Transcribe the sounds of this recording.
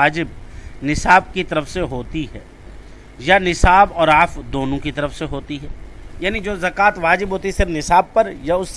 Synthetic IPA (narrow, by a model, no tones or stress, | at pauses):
aːd͡ʒɪbnɪsaːb̚kit̪ɐɾəfseɦoːt̪iɦɛː | janɪsaːbɔːɾaːfd̪oːnõkit̪ɐɾəfseɦoːt̪iɦɛːjaːnid͡ʒoːzɐkaːt̪ʋaːd͡ʒɪbɦoːt̪iɛsɪɾfnɪsaːb̚pɐɾjaʊsː